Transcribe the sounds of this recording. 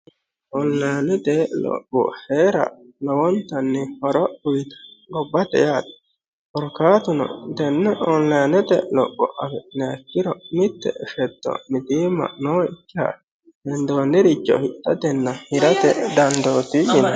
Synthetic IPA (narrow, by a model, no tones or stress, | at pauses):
ʔɔnlɐjnɪd̪eːlɔ̰kːɔ̰heːɾɐ̰nɔwɔnt̪ɐnːɪhɔɾɔʔʊjt̪ɐ̥ɡɔbːɐt̪ɛ̰jaːt̪ | ɔɾkaːt̪ʊnɔ̰d̪ɛnːɛʔɔnlɐjnɛt̪ɛlɔkːɔ̰ʔɐbɛnɛɐkːɪɾɔmɪt̪ːɛ̰ʔɛʃɛt̪ːɔ̰mɪt̪iːmɐ̰ʔnoːɪkːɪɐ̰ | dɛnd̪oːnːɪɾɪt͡ʃːɔ̰hɪt̪ːɐd̪ɛnːɐhɪɾɐt̪ɛ̰d̪ɐnd̪oːt̪ɪjɪnɐ